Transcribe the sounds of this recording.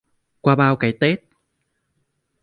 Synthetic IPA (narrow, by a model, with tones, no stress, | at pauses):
kwaː˧ɓaː˧wkaː˨˦jt̪e˦˥t̚